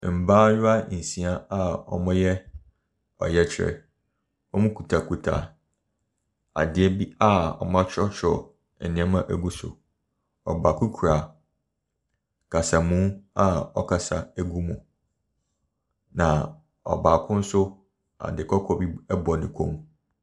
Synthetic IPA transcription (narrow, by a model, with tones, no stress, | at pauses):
m̩˨bãː˦jʊ˦a˦n̩˨sĩ˦a˦a˦ɔ̰˨mʊ̃˦jɛ˦ | ɔ̰˨jɛ˦t͡ɕʰɪ˨ɾɛ̰˨ | ɔ˦mʊ̃˦kʰu˨tʰa˨kʰu˨tʰa̰˨ | a̰˨dɪ˨˦ɛ˦bi˦a˦ɔ̰˨mã˦t͡ɕʰᶣɔ˦t͡ɕʰɔ˨ | nɪ̃˦ɛ˦mã˦ʔæ˨ɡu˦sʊ̰˨ | ɔ̰˨ba˨kʰu˦kʰu˨ɾa˨ | kʰa˨sa˨mũ˦a˦ɔ˦kʰa˨sa˨æ˦ɡu˦mũ˨ | nã˨ | ɔ̰˨ba˨kʰʊ̃˦n̩˦sʊ˦ | a̰˨dɪ˨kʰɔ˦kʰɔ˨bi˦ɛ˦bɔ˨nɪ̃˨kʰõ˦m